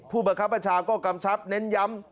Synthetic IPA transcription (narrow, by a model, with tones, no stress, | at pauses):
pʰuː˥˩baː˧˦kʰa˦˥pːɾa˧t͡ɕʰaː˧kɔː˥˩ka˧mt͡ɕʰa˦˥p̚ne˦˥nja˦˥m